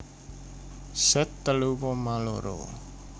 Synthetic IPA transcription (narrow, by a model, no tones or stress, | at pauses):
sɛt̪ːəlupɔmalo̰ɾo̰